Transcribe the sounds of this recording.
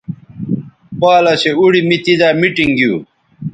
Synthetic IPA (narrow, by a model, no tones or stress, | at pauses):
paːlɐɕeuɽimit̪id̪aːmiʈiŋɡjiuː